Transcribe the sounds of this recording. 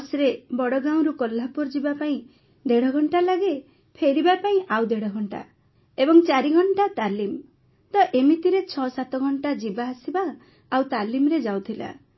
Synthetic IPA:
sɾebɔɽɔɡaw̃ɾukɔlːapuɾd͡ʒibapaĩ | d̪eɽɔɡʱɔɳʈalaɡe | pʰeɾibapaĩʔawd̪eɽɔɡʱɔɳʈa̰ | ebɔŋt͡ʃaɾiɡʱɔɳʈat̪alim | t̪ɔʔemit̪iɾet͡ʃʰɔsat̪ɔɡʱɔɳʈad͡ʒibaːsibaː | wt̪alimɾed͡ʒawt̪ʰila̰

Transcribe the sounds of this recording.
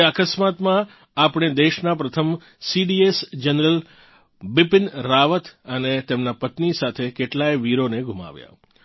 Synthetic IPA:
akəsmat̪mã | apɽ̃ed̪eʃnapɾət̪ʰəm | siɖiesd͡ʒənɾəl | bɪpɪnɾaʋət̪ʰənet̪emnapət̪nisat̪ʰekeʈlajʋiɾoneɡʱuma̰ʋja̰

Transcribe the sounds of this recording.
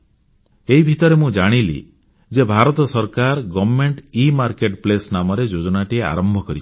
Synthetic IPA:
eɦibʱit̪ɔɾemũd͡ʒaɽ̃ilḭ | d͡ʒebʱaɾɔt̪ɔsɔɾkaɾɡɔbmeɳʈimaɾkeʈplesnamɔɾed͡ʒod͡ʒɔɽaʈiea̰ɾɔmbʱɔkɔɾit͡ʃʰi̥

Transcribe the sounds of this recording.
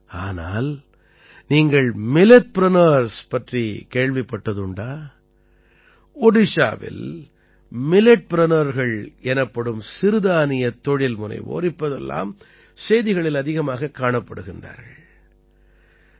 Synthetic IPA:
aːnaːl | niːŋɡɐɭmɪlɛʈ̚pɪɾɐnɐɾspɐʈrikeːɻʋɪpːɐʈːɐðɯɳɖaː | ɔɽɪʂa̰ːʋɪ̰l | mɪlɛʈ̚pɪɾɐnɐɾɣɐɭɛnɐpːɐɽɯmsɪɾɯðaːnɪjɐt̪ːɔɻɪlmʊnɐ̰ɪʋo̰ːɾɪpːɐðɛ̰lːa̰ːm | sɛjðɪɣɐɭɪlɐðɪɣɐmaːɣɐkːaːɳɐpːɐɽɯɣɪndra̰ːɾɣɐɭ

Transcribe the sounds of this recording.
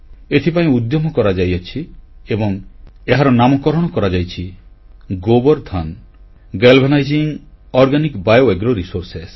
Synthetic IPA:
et̪ʰip̬aĩud̪jɔmɔkɔɾad͡ʒajat͡ʃʰiebɔŋeɦaɾɔnamɔkɔɾɔɽ̃ɔkɔɾad͡ʒajt͡ʃʰi | ɡobɔɾd̪ʰʱan | ɡelbʱenajd͡ʒiŋ | ɔɾɡanikbajoeɡɾɔɾisoɾses

